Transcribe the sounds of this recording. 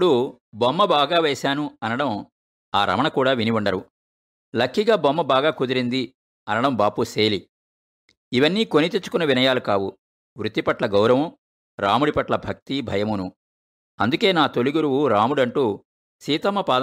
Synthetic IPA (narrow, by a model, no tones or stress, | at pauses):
ɽu | bɔmːɐbaːɡaːʋɛːsaːnuɐnɐɽɐm | aːɾɐ̰mɐɳɐkuːɽaːʋiniʋuɳɖɐɾṵ | lɐkʰːiɡaːbɐmːɐbaːɡaːkud̪ɐɾind̪i | ɐnɐɽɐmbaːpuseːli | iʋɐnːiːko̞nit̪et͡ʃːu̥kunːɐʋinɐjaːlukaːwu | ʋɾut̪ːipɐʈlɐɡɐwɾɐʋɐ | ɾa̰ːmuɽipɐʈlɐbʱɐk̚t̪ibʱɐjɐmunu | ɐnd̪uke̞ːnaːt̪o̞liɡuɾuwuɾaːmuɽɐɳʈuː | siːt̪ɐmɐpaːd̪